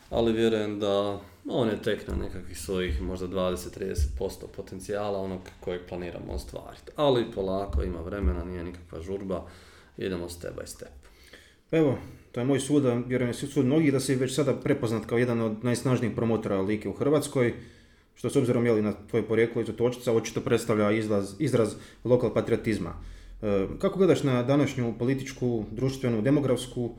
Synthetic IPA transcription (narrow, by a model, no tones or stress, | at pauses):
a̰liʋje̞ɾuje̞md̪a | oːnjet̪e̞kna̰nʔḛkakʋixsʋo̞jixmo̞ʒd̪ad̪ʋaːd̪eset̪ːɾiːd̪ese̥t̪̚po̞st̪opo̞t̪e̞nt̪sijaːlˠao̞noɡko̞jeɡ̚planiːɾa̰mo̰ost̪ʋa̰ːɾi̥t̪alipʰo̞lˠaːkoima̰ʋɾe̞menaniːje̞nikḁkʋa̰ʒuɾba | ḭd̪e̞most̪ḛba̰ist̪e̥p | peʋo̞t̪o̞je̞moːjsuːd̪ʋjeɾujemssuːd̪mno̞ɡid̪aseʋet͡ɕsad̪apɾe̞poznat̪kaojed̪ano̞d̪najsnaʒnixpɾo̞mo̞t̪o̞ɾaliːkeuxr̩ʋaːt̪sko̞j | ʃt̪o̞so̞bziɾo̞mjelinat̪ʋo̞jupo̞ɾje̞ːkloizot̪o̞t͡ʃi̥t̪sao̞t͡ʃi̥t̪o̞pɾe̞t̪st̪aʋʎaizɾazizɾazlˠo̞kalˠpat̪ɾiot̪izma̰ | kakoɡle̞d̪aʃnad̪anaʃɲupo̞lit̪it͡ʃkud̪ɾuʃt̪ʋe̞nud̪e̞mo̞ɡɾafsku